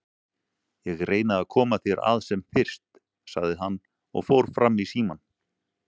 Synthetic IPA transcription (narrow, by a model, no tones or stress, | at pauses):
jɛɣɾʔeːjnaðaðkʰɔːmaθjɛɾʔa̰ðsɛmfɪr̥st̪ | saɣðɪɦanː | ɔ̰ɣfowɾ̥fɾamːisiːman